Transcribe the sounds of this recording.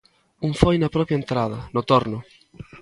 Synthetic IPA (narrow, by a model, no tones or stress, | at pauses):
uɱfojnɐpɾɔpjaent̪ɾað̞ɐnʊt̪oɾnʊ